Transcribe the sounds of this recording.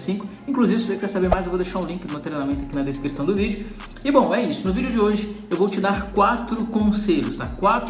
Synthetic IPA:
sĩkʊ | ĩŋkluzivɪsosekɛɾsabeɾmajzewvowd̪eʃaɾũlĩkɪd̪ʊ̃umẽt̪ɾenamẽnt̪ʊakinɐd̪eskɾisɐ̃w̃d̪ʊvid͡ʒʊ | ɪbõw̃ɛisʊnʊvid͡ʒʊd͡ʒɪoʒɪewvowt͡ʃɪd̪aɾkwat̪ɾʊkõseʎʊst̪a̰kwat̪

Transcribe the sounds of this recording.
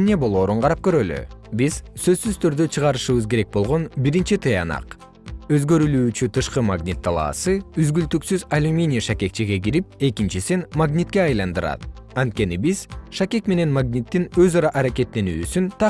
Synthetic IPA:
nebo̞lˠo̞ːɾuɴqʰɑɾɑp̚køɾø̞ly̰biz̥sø̞zːyzt̪ʰøɾd̪øt͡ʃʰɯʁɑɾɯʃɯβɯzke̞ɾe̞k̚bo̞lˠʁo̞nbiɾint͡ʃit̪ʰɯjɑ̰nɑ̰q | ø̞zɡø̞ɾylyːt͡ʃyt̪ʰɯʃqɯmaɡnʲit̪ʰːɑlˠɑ̰ːsɯyzɡylt̪yksyzalʲumʲinʲiʃake̞k̚t͡ʃiɡe̞ɡiɾip̚e̞kint͡ʃisinmaɡnʲit̪keɑjlˠɑnd̪ɯɾɑ̰t̪ | ɑnt̪̚ke̞nibiz̥ʃakʲe̞kme̞ne̞nmaɡnʲit̪ːinø̞zɑɾɑʔɑɾake̞t̪ːe̞nyːsynt̪ʰɑ

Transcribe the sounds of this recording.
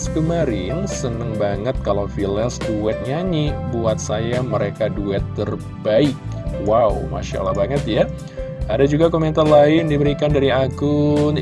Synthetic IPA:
skəmaɾɪnsənəŋbaŋət̪̚kalawfilɛsduɛt̪̚ɲanibuat̪̚sajaməɾekaduɛt̪ːər | baɪk̚ | waw̰ma̰ʃa̰lahbaŋət̪ja | adad͡ʒuɡakomɛnt̪arlaɪndibəɾikandaɾiaɡʊn

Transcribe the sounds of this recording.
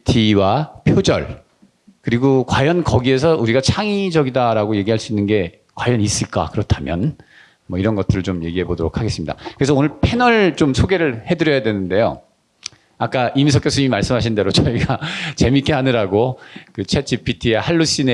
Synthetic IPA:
tʰiwapʰjod͡ʑʌ̰ɭ | kɯɾiɡokwajʌnkʌɡie̞s̬ʰʌuɾiɡat͡ɕʰaŋid͡ʑʌɡidaɾaɡoje̞ɡiɦaɭs͈uinːɯnɡe̞ | kwajʌnis͈ɯɭk͈a̰kɯɾʌtʰamjʌ̰n | mʌiɾʌnɡʌt͈ɯɾɯɭt͡ɕomje̞ɡiɦe̞bodoɾokʰaɡe̞s͈ɯmɲidakɯɾesʰʌonɯɭpʰe̞nʌɭt͡ɕomsʰoɡe̞ɾɯɭhe̞dɯɾjʌjadwenɯnde̞jo̰ | ak͈aimisʰʌk͈josʰuɲimimaɭs͈ɯmɦaɕʰinde̞ɾot͡ɕʌiɡat͡ɕe̞mik͈e̞ɦanɯɾaɡokɯt͡ɕʰed͡ʑipʰitʰiehaɭːuɕ͈ine

